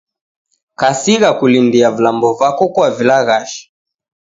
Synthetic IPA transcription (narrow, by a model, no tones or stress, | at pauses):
kasiɣakulindiavulambɔvakɔkwavilaɣaʃḁ